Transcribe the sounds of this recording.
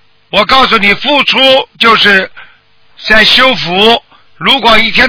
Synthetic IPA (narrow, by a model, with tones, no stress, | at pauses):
wɔ˨˩kɑ˥˩ʊs̬u˥˩ni˨˩fu˥˩ʈ͡ʂʰu˥t͡ɕjo˥˧ʊʂɻ̩˥˧ | t͡sa˥˩ɪɕjo˥ʊfu˧˥ | ɻu˧˥kwɔ˨˩i˥˩t̪ʰjɛ˥